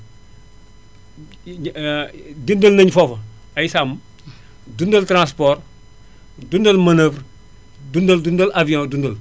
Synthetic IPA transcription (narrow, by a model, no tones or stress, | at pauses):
dindəlnɐɲfofɐ | ajisam | dundɐltɾãspoːr | dundəlmɐnəːvɾ | dundəldundɐlʔavijõːdundəl